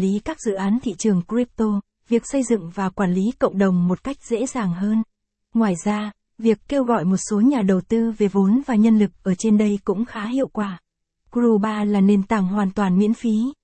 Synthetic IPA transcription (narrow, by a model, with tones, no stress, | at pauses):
li˨˦kaː˦˥k̚zɨ̰˧˨ʔaː˨˦nt̪ʰḭ˧˨t͡ɕɨ˨˩əŋkɾi˦˥p̚t̪o˧ | vi˨˩ək̚sə˧jzɨ̰˧˨ŋvaː˨˩kwaː˧˩nli˨˦kə̰˧˨wŋ͡mɗə˨˩wŋ͡mmo˨˩t̚ka˦˥jk̟̚z̥ḛ˧˥zaː˨˩ŋɦəː˧n | ŋwaː˨˩jzaː˧ | vi˨˩əkːe˧wɣɔ̰˧˨jmo˨˩t̚so˨˦ɲaː˨˩ɗə˨˩wt̪ɨ˧ve˨˩vo˨˦nvaː˨˩ɲə˧nlɨ˨˩k̚ʔəː˧˩t͡ɕe˧nɗə˧jkʊ̰˧˥ŋ͡mxaː˨˦ɦḭ˧˨əwkwaː˧˩ | kzu˧ɓaː˧laː˨˩ne˧nt̪aː˧˩ŋɦwaː˨˩nt̪waː˨˩nmḭ˧˥ənfi˨˦